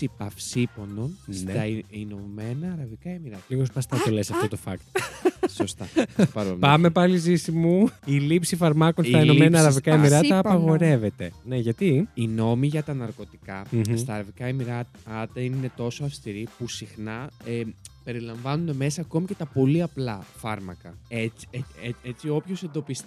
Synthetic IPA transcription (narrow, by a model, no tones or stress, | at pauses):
ipɐfsipo̞no̞nst̪ɐinomenɐːɾɐvikɐemiɾɐt̪ɐliɣospɐst̪ɐt̪olesɐft̪o̞t̪o̞fɐ̰kt̪osost̪ɐpɐɾopɐme̞pɐlizisimuilipsifɐɾmɐkonst̪ɐinnomenɐːɾɐvikɐemiɾɐt̪ɐːpɐɣo̞ɾe̞ve̞t̪e̞ne̞ʝɐt̪iino̞miʝɐt̪ɐnɐɾko̞t̪i̥kɐst̪ɐːɾɐvikɐimiɾɐt̪ːt̪ɐine̞t̪o̞soɐfst̪iɾipusixnɐepe̞ɾilɐɱvɐnuneme̞sɐːko̞mice̞t̪ɐpo̞liɐplɐfɐɾmɐkɐet͡si̥eeet͡sio̞pço̞se̞nd̪o̞pist̪i